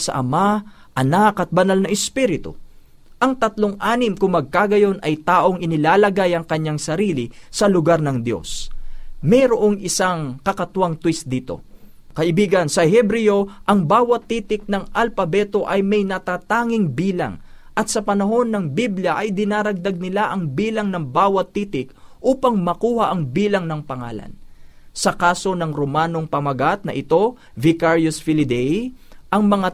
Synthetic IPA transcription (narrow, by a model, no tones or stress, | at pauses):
sɐ̰ʔɐma | ʔɐnakɐt̪̚bɐnalnɐʔɛspiɾɪt̪ʊ̰ | ʔɐŋt̪ɐt̪loŋʔaːnɪmkʊŋmːɐɡ̚kaːɡɐjo̞nʔɐjt̪aːʔo̞ŋʔɪnɪlaːlɐɡajɐŋkɐɲːaŋsɐɾiːlɪsɐlʊɡaɾnɐŋd̪jo̞̰s | mɛjɾoʔo̞ŋʔɪsaŋkɐkɐt̪waŋt̪wist̪̚d̪iːt̪o̞̰ | kɐʔɪbiːɡɐnsɐhɛbɾɪjoʔɐŋbaːwɐt̪ːiːt̪ɪk̚nɐŋɐlpɐbɛːt̪o̞ʔɐjmɐjnɐt̪aːt̪aːŋɪŋbiːlɐ̰ŋʔɐt̪sɐpɐnɐɦo̞nːɐŋbibljɐʔɐjd̪ɪnaːɾɐɡ̚d̪ɐɡ̚nɪlaʔɐŋbiːlɐŋnɐŋbaːwɐt̪ːiːt̪ɪk̚ʔuːpɐŋmɐkuːhɐʔɐŋbiːlɐŋnɐŋpɐŋa̰ːlɐ̰nsɐkaːso̞nɐŋɾomaːno̞ŋpɐmɐɡat̪̚nɐ̰ʔɪt̪o̞ | vɪkaɹjosfɪlɪd̪ɛjʔɐŋmɐŋa